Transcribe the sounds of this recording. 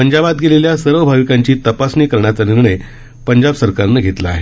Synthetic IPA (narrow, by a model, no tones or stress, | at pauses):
pəɲd͡ʑabat̪̚ɡʱeleljasəɾʋəbʱaʋikaɲt͡ɕiːt̪əpasniːkəɾɳjat͡saniɾɳəj | pəɲd͡ʑabsəɾkaɾnːəːɡʱet̪laːɦe